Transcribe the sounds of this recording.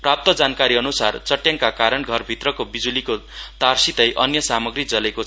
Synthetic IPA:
prap̚t̪ʌd͡zankaɾiʌnusart͡sʌʈjaŋkakaɾʌnɡʱʌrbʱit̪rʌkobid͡zulikot̪arsit̪ʌjʔʌnjʌsamʌɡrid͡zʌleko

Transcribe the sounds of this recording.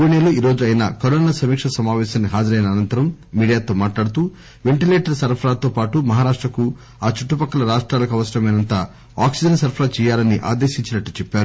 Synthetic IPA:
iniɐluiːɾo̞ːd͡ʒuɐjina̰ːkɐɾoːnaːsɐmiːkʂɐsɐmaːʋɛːʃaːnːiɦaːd͡ʒɐɾɐjnɐːnɐnt̪ɐɾɐmːiːɽijaːt̪o̞ːmaːʈlaːɽut̪uː | ʋeɳʈileːʈɐɾsɐɾpʰɐɾaːt̪o̞ːpaːʈumɐɦaːɾaːʂʈɾɐku | aːt͡ʃuʈːupɐkːɐlɐɾaːʂʈɾaːlɐkɐʋɐsɐɾɐmɐjnɐnt̪aː | aːksid͡ʒɐnsɐɾpʰɐɾaːt͡ʃɛːjaːlɐniʔa̰ːd̪eːʃiɲt͡ʃinɐʈːut͡ʃɛpːaːɾu

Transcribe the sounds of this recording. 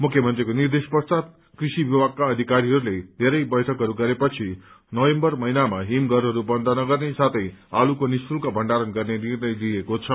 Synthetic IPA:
mukʰjʌmʌnt̪ɾikonird̪espʌst̪at̪̚ | krisibibaɡ̚kaʌd̪ʱikaɾiɦʌɾuled̪ʱeɾʌjbʌjʈʰʌkɦʌɾuɡʌɾepʌt͡sʰi | nʌwembʌrmʌinamaɦimɡʱʌɾɦʌɾubʌnd̪ʱʌnʌɡʌrnesat̪ʰʌjalukonispulkabʱʌɳɖaɾʌnɡʌrnenirnʌjd̪iekot͡sʰʌ

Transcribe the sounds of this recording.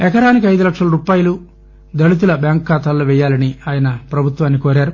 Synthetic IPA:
ɛkɐɾaːnik̬iɐjd̪ulɐkʂɐlɐɾuːpaːjɐlu | d̪ɐlut̪̬ulɐbjaːŋkːaːt̪aːlːoːʋɛjːaːlɐniaːjɐnɐpɾɐbʱut̪ʋaːnːikoːɾaːɾu

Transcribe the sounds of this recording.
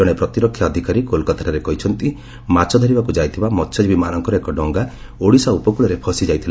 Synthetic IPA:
ɔɽ̃epɾɔt̪iɾɔkʰjaːd̪ʱikaɾikolkat̪ʰaɾaɾekɔɦit͡ʃʰɔnt̪i | mat͡ʃɔd̪ʱɔɾibakud͡ʒajt̪ʰibamɔtːt͡ʃʰɔd͡ʒibimanɔŋkɔɾɔekɔɖɔŋɡa | oɽisaupɔkuɭɔɾepʰɔsid͡ʒajt̪ʰila

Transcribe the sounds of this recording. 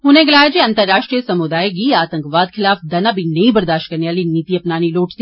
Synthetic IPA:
ɦʊnẽɡɪlaːjad͡ʒiɐ̃nt̪əɾːaːʃʈɾijəsɐmʊd̪aːjɡiaːt̪ə̃ŋkʋaːd̪xʰɪlaːfd̪ɐnabʱinɐĩbɐɾd̪aːʃʈ̚kɐɾneʋaːliniːt̪iɐpnaːniloːʈʰt̪i

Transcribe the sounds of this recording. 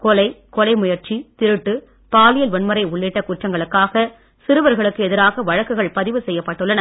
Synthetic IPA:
kɔlɐɪ | kɔlɐɪmʊjɐɾt͡ʃit̪ɪɾɯʈːɯ | paːlɪjɐlʋɐɳmɐɾɐɪʊɭːɪʈːɐkuːʈrɐŋɡɐɭɯkːaːɣɐ | sɪɾɯʋɐɾɣɐɭɯkːɯɛðɪɾaːɣɐʋɐɻɐkːɯɣɐɭpɐðɪʋɯsɛjːɐpːɐʈːɯɭːɐnɐ

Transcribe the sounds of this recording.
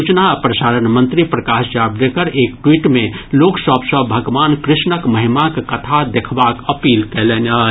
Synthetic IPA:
ut͡ʃnapɾəsaːɾənmə̃nt̪ɾipɾɐkaːʃd͡ʒabɾekəɾeːkʈwiːʈmẽloːksəbsəbʱɐɡʋaːnkɾɪʃnəkməɦimakkɐt̪ʰad̪ekʰbaːkəpiːlkɛleːna

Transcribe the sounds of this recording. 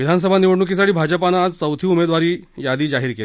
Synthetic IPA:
ʋid̪ʱans̬əbʱaniʋəɽɳuk̬is̬aɽiːbʱad͡ʑəpanaːd͡zsəwt̪ʰiːumed̪ʋaɾiːjad̪iːd͡zaɦiːɾkele

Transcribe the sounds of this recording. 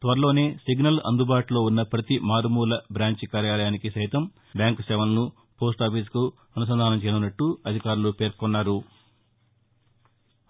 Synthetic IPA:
t̪ʋɐɾɐlo̞ːne̞ːsiɡnɐlɐ̰nd̪ubaːʈlo̞ːunːɐpɾɐt̪imaːɾumuːlɐbɾaːɲt͡ʃikaːɾjaːlɐjaːnikisɐjt̪ɐm | bjaːŋksɛːʋɐlɐnu | po̞ːs̬ʈaːpis̬ku | ɐnus̬ɐnd̪ʱaːnɐmt͡ʃejnunːɐʈːuɐd̪ʱikaːɾulupe̞ːɾkɔnːaːɾu

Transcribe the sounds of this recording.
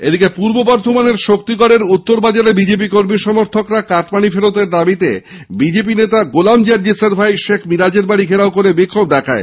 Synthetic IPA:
ed̪ikepuɾbobɔɾd̪ʱomaneɾʃok̚t̪ikɔɽeɾut̪ːoɾbad͡ʑaɾebid͡ʑep̬ikoɾmiʃɔmoɾt̪ʰokɾakaʈpanifeɾot̪eɾd̪abit̪ḛ | bid͡ʑep̬inet̪aɡolamd͡ʑaɾd͡ʑiseɾbʱajʃekʰmiɾad͡ʑeɾbaɽiɡʱeɾaokoɾebikʰːob̚d̪ɛkʰae

